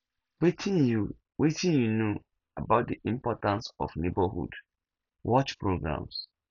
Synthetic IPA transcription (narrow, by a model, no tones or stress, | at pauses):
wetʰĩju | wʔetʰĩnjuno | abaʊt̚diʔĩmpɔtãnsɔ̰fnebahṵd | wʔɔt͡ʃpɹoɡɹã̰ms